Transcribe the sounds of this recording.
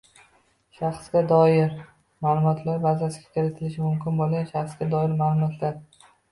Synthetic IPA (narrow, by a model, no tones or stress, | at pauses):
ʃɑχsɡʲad̪ɒjɪɾ | maːlˠʊmɒt̪ʰlaɾbazasɪɡʲakʲɪɾɪt̪ʰɪlɪʃɪmʊmkʲʰɪnbolˠɡʲanʃɑχsɡ̥ʲad̪ɒɪɾmaːlˠʊmɒt̪ʰlaɾ